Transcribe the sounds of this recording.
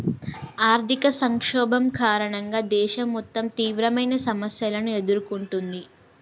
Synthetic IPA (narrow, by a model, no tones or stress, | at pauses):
aːɾt̪ʰikɐsɐŋkʂɔːbɐmkaːɾɐɳɐŋɡaːd̪ɛːʃɐmːɔt̪ːɐmt̪iːʋɾɐmɐjnɐsɐmɐsjɐlɐnue̞d̪uɾukuɳʈund̪i